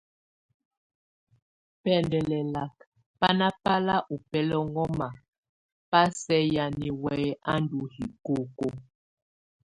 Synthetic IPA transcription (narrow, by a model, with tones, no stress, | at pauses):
pɛ˦˨ndɛ˨lɛ˨la˨k | pa˦na˦pa˦la˦ʔu˨pɛ˦lɔ˦ŋɔ˦ma˨ | pa˦sɛ˦ja˨ni˨wɛ˨˦a˦ndu˨hi˨ko˦˨ko˦